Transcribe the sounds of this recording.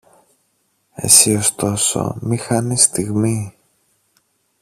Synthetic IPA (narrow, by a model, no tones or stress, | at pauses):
e̞̰sio̞st̪o̞so̞̰mixɐnist̪iɣmi